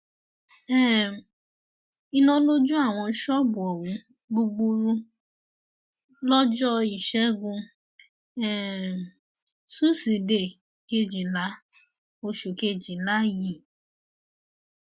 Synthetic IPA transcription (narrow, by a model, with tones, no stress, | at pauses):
ɛ˦˨ | i˧nɔ̃˧˦lo˦d͡ʒũ˦a˦˨w̃ɔ̃˧˦ʃɔ˦bu˨ɔ˨wũ˨˦ | ɡ͡bu˧ɡ͡bu˧ɾu˧ | lɔ˦d͡ʒɔ˦i˨ʃɛ˦ɡũ˧ | ɛ˦˨ | su˦si˨de˨ | ke˧d͡ʒi˨la˨˦ | o˧ʃu˨ke˧d͡ʒi˨la˦ji˦˨